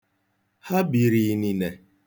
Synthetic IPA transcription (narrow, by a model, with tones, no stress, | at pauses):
ha˦bi˨ɾi˨ni˨ne˨